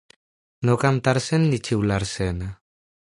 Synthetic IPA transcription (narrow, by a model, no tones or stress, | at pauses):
nokamt̪aɾsenːit͡ʃiwlaɾsena